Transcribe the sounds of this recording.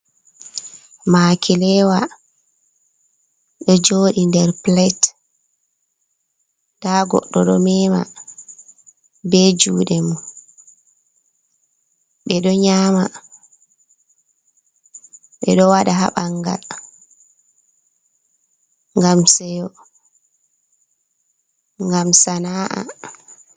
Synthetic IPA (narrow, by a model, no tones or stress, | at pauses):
maːkʰilɛwa | ɗɔd͡ʒoːɗindɛɾplɛt | d̥aɡɔ̰ɗːɔɗɔmɛma̰ | bɛd͡ʒuːɗɛmu | ɓɛɗɔɲama | ɓɛɗɔwaɗaɦa̰ɓaŋɡa̰l | ŋɡamsɛjɔ | ŋɡamsanaʔa̰